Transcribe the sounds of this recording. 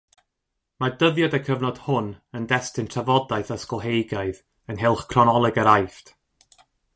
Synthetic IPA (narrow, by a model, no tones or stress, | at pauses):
madəðjadəkʰəvnɔd̥hʊnəndɛstɪntʰavɔdajθaskɔlˠɦejɡaɨð | ənɦɪlˠχkʰrɔnɔlˠɛɡəɾajft